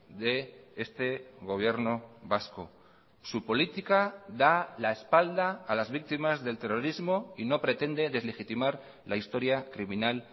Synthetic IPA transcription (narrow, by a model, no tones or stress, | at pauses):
ðe̞est̪e̞ɣ̞o̞β̞je̞ɾno̞βasko | supo̞lit̪ikaðalaespald̪aːlazβik̚t̪imazðe̞lt̪e̞ro̞ɾizmoino̞pɾe̞t̪e̞nd̪e̞ðe̞zle̞xit̪imaɾ | laist̪o̞ɾjakɾimĩnal